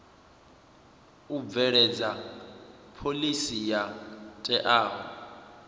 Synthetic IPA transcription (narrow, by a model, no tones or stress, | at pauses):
ub̪vɛɺɛd͡za | pʰolisijatʼɛʔaːɦɔ̰